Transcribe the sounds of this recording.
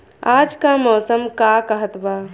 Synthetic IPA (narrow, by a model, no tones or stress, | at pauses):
ad͡ʒkamɔːsəmkakəɦət̪ba